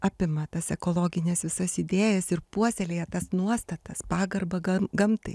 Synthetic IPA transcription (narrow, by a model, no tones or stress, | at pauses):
ɑːpʲɪmɐt̪ɐsɛkoːlˠoːɡʲɪnʲɛsʋʲɪsɐsɪd̪ʲeːjɛsɪrpuɔsʲɛlʲeːjɛt̪ɐsnuɔst̪ɐt̪ɐspɑːɡɐrbɐɐɡɐmt̪ɐ̰ɪ